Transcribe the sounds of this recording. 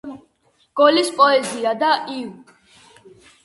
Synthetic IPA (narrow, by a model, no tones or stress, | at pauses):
ɡ̥ɔlispʼɔɛziad̪aʔiv